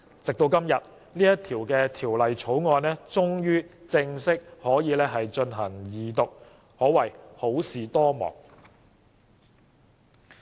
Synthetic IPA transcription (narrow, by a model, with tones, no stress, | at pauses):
t͡sɪ˨k̚t̪o˧wkɐ˥mjɐ˨˩t̚ | niː˥jɐ˥t̚t̪ʰiː˨˩wkɛː˧t̪ʰiː˨˩wlɐ˨jt͡sʰo˨˥wŋɔː˧nɛː˥t͡ʃʊ˥ŋjyː˥t͡sɪ˧ŋsɪ˥k̚hɔː˨˥jiː˨˧lɛː˥ɦɐ˨jt͡ʃɵ˧nɦɐ˨˩ŋjiː˨t̪ʊ˨k̚ | hɔː˨˥wɐ˨˩jho˨˥wsiː˨˩t̪ɔː˥mɔ̰ː˨˩k̚